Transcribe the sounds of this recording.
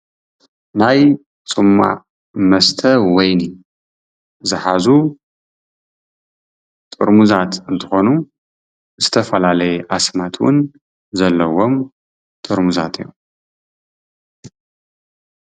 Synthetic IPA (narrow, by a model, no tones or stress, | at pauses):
naj | t͡sʼɨmːa̰ | mɐst̪ʰɐwɔjni | zɨħazu | t̪ʼɨɾmuzat̪ɨnt̪ʰɨxo̞nu | zɨt̪ʰɐfɐlalɐjɛʔasmat̪ʰwʊ̰n | zɐlːɐwom | t̪ʼɨɾmuza̰t̪ʰɨjːu